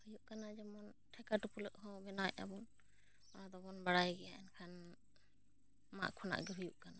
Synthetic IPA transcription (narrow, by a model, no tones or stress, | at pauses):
hujuʔkanad͡ʒamɔnʈʰɛkaʈupuləʔɦɔ̃bɛnaja̰bɔn | ad̪ɔbɔnbaɽajɡɛjaʔɛnkʰan | ma̰ʔkʰɔna̰ʔɡɛɦujuʔkana